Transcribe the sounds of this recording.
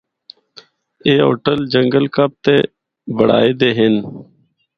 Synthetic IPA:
eːɦo̰ːʈəld͡ʒəŋɡəlkəp̚t̪eː | bʱəɽa̰ːeːd̪eːɦɪn

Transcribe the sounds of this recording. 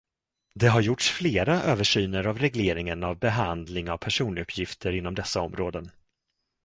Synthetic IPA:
d̪ɛɦaɾjʊʈʂfleːɾaʔøːvəʂyːnəɾavɾɛɡleːɾɪŋənavbɛɦand̪lɪŋavpʰæʂuːnɵpʰːjɪft̪ʰəɾɪnːɔmd̪ɛsːaɔmɾoːd̪ən

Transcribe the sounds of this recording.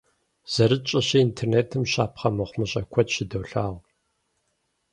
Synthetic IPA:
z̥ɐɾɨt͡ʃʼɪɕɐintʰerneːtʰɨmɕaːpχɐmɨχʷmɨɕʼɐ̰kʷʰɔtɕɪdɐwɬaːʁ

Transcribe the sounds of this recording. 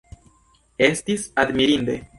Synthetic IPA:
e̞stisad̪miɾinde̞̰

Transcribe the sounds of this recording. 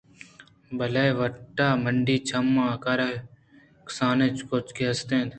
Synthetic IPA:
bəleːʋəʈːaːməɳɖiːt͡ʃʰəmːãːkaɾa | ksaːnet͡ʃkot͡ʃkeːst̪ẽːnd̪

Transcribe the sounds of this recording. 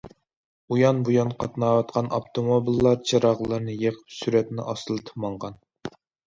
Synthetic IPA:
ujɑnbujɑnqʰɑt̪nɑːwɑt̪̚qʰɑnɑpt̪ʰomobilˠːɑɾt͡ʃʰɑɾɑʁlˠɑɾnɨjeqʰə̥psyɾɛt̪nɪ̰ʔɑslˠɨt̪ʰə̥pmɑɴʁɑn

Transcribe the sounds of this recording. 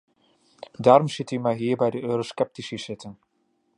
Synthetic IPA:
daːɾɔmsɪtymajɦiːɹbɛjdəʔøːɾoskɛp̚tisisɪtən

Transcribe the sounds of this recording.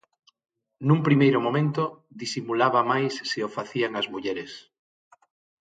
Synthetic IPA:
nũmpɾimejɾʊmomẽnt̪o | ðisimulaβamajsːeofaθiaŋɐzmuʎɛɾɪs

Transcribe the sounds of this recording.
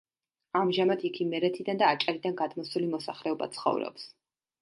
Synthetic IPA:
amʒamad̪ikʰimɛɾɛt̪ʰid̪and̪aːt͡ʃʼaɾid̪anɡad̪mɔsulimɔsaχlɛɔba̰t̪sʰχɔ̰vɾɔ̰ps

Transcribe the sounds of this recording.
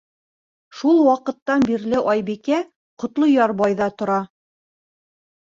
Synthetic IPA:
ʃulˠwɑqɤ̆t̪ːɑnbiɾlɘʔɑjbikæ | qŏt̪lˠojɑɾbɑjðɑt̪ŏɾɑ

